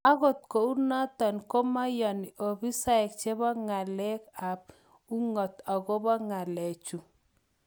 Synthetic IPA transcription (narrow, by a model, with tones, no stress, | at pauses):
a˦ɣo˨t̪̚ko˨u˦na˦t̪ɔ˨nko˦ma˦jɔ˨no˨bi˦sa˦ɛ˨k̚t͡ʃe˦βɔ˦ŋa˨lɛ˦ka˨p̚ | u˦ŋɔ˨t̪ɔ˨ɣo˦bɔ˦ŋa˨lɛ˨t͡ʃu˨